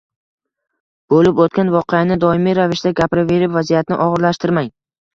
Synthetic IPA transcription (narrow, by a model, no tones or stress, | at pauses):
b̥olɪpot̪̚kʲanvɒqʰejanɪd̪ɒɪmijɾavɪʃd̪aɡʲapɾɪve̞ɾɪpvazijat̪nɪ̰ʔɒʁɨɾlaʃt̪ɪɾmaŋ